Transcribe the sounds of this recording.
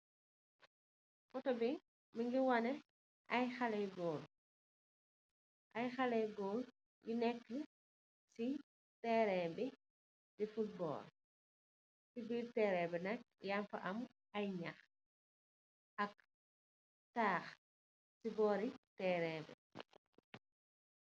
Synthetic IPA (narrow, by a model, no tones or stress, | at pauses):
mɔtɔbi | miŋɡiwɐnɛ | ɐjxɐlɛjɡɔːl | ʔɐjxɐlɛjɡɔːl | junɛkːə | si | tɛːɾɛmbi | difut̚bɔ̰ːl | sibiːɾtɛːɾɛbɛnɐk̚jamfɐ̰ʔɐm | ɐjɲɐx | ɐk̚ | saːx | sibɔːɾitɛːɾɛmbɛ̰